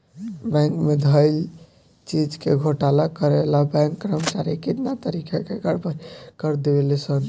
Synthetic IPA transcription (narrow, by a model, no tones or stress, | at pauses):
bɛ̃ŋkmed̪ʱəi | t͡ʃid͡ʒkeɡʱoʈalakəɾelabɛ̃ŋkːɾəmət͡ʃaɾikit̪nat̪əɾikʰakeɡəɾpəɾkəɾd̪ewelɛsən